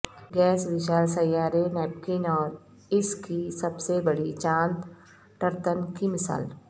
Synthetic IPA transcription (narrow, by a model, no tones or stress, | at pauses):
ɡɛːsʋɪʃaːlsɐjːaːɾenɛːpkɪnɔːɾ | ɪskisɐbsebɐɽit͡ʃãːnt̪ | ʈəɾt̪ənkimɪsa̰ːl